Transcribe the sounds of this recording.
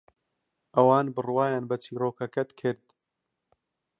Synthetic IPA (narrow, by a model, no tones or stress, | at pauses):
ʔɐwaːnbɨrwaːjaːnbɐt͡ʃʰiːɾoːkɐkɐt̪kʰɨɾd̪